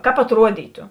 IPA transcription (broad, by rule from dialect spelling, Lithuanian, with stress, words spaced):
ˈkɑːp ɐtˈruɔdʲiːtʊ